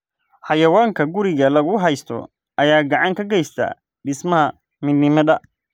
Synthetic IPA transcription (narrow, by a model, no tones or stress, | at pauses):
ħɑjɐwaːŋkʰɐɡʊɾɪɣɐlɐɣʊɦɛjst̪ʰɔ̰ | ʔɐjaːɡɑʕɑŋkʰɐɡɛjst̪ʰɐ̰ | ɖɪsmɐɦɐ | mɪnːɪmɐðɐ